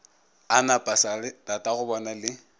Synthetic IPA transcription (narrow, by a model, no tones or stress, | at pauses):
anapʼasalɪtatʼaɣʊbɔnalɪ